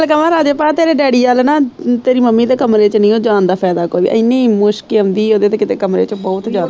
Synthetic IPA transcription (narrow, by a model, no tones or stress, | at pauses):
lkəmãːɾaːd͡ʒeːpaːt̪eːɾeːɖɛːɽiːaːlnãːt̪eːɾiːməmːiːd̪eːkəmɾeːt͡ʃnĩːoːd͡ʒãːnd̪aːpʰɛːd̪aːkoːiːbḭʔəɪnːẽmʊʃkɪʊ̃nd̪iːoːd̪eːt̪eːkɪt̪eːkəmɾḛːt͡ʃbɔːt̪d͡ʒaːd̪a